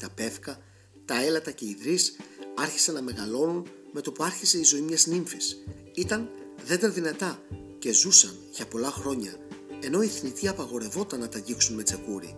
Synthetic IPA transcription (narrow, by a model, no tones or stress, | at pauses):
t̪ɐpe̞fkɐ | t̪ɐe̞lɐt̪ɐce̞iðɾisɐɾçi̥sɐnːɐme̞ɣɐlo̞nunme̞t̪o̞puɐɾçise̞izo̞imɲɐzniɱfis | it̪ɐn | ðe̞d̪eɾðinɐt̪ɐ | ce̞zusɐnʝɐpo̞lɐxɾo̞ɲɐ | e̞no̞iθnit̪iɐpɐɣo̞ɾe̞vo̞t̪ɐnːɐt̪ɐʝiksunme̞t͡se̞kuɾḭ